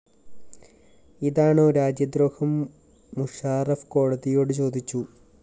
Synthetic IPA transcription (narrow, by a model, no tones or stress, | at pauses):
iðaːɳɨɾaːd͡ʑjɐd̪ɾoːhɐmː | uʂaːrɐfko̞ːɽɐðijo̞ːɽɨt͡ɕo̞ːd̪it͡ɕːu